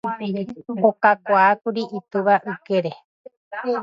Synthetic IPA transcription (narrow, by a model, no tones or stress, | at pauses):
okakʷaːkuɾiʔit̪ɨʋaʔɨke̞ɾe